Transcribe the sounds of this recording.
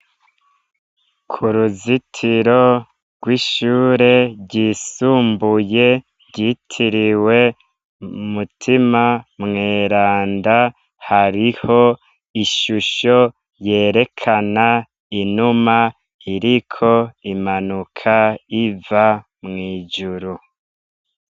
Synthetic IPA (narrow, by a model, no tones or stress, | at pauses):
kʰuɾuzitʰiɾo̞ | ɡ̥wiːʃuːɾe̞ɟiːsuːmbuje̞ | ɾɟitʰiɾiwe̞ | umutʰimamŋeːɾaːnda | haɾiho̞ | iʃuʃo̞ | je̞ːɾe̞kʰana | inuma | iɾikʰo̞imanukʰaiva | mŋiːd͡ʒuɾu